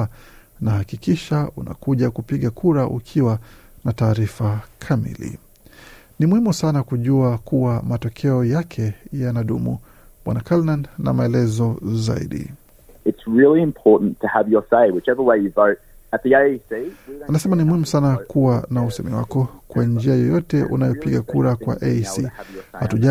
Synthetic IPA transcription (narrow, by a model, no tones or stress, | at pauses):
nahakikiʃaṵna̰kuʄakupiɠakuɾaʔukʰiwanataːɾifakʰamḭlḭ | nimuhimusanakuʄuakuwamatɔkʰɛɔjakʰɛjanaɗumṵ | ɓwa̰nakalnanna̰maɛlɛzɔza̰ḭɗḭ | ɨtsɹɪlˠiɨ̃mpʰɔɹʔn̩tʰɨəvjə˞seɪwɨt͡ʃɛviweɪjɨvoʊɾ | ɨt̪̚ðieɪisianasɛmanimuhimusanakuwanausɛ̰mḭwakɔkwand͡ʒiajɔjɔtɛʔunajɔpiɠakuɾakwa̰ʔesihatuʄa